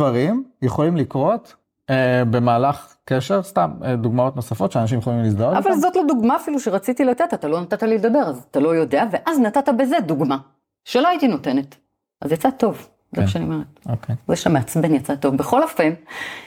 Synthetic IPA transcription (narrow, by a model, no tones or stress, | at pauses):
vaʁimjeχo̞limlikʁo̞t | ebe̞maːlaχkeʃeʁst̪ameduɡmao̞t̪no̞safo̞tʃeanaʃ̬imjeolimlisdaoavalzo̞tloduɡmaːfiluʃeʁat͡sit̪ilate̞tat̪alo̞natat̪aliled̪abe̞ʁazat̪alo̞jo̞deave̞ʔaznatatabe̞ze̞duɡma | ʃeloaitino̞te̞ne̞t | ʔa̰zjat͡sat̪o̞v | zemaʃaniomeʁet̚okʰejzeʃameat͡sbenjat͡sat̪o̞vbeχo̞lafem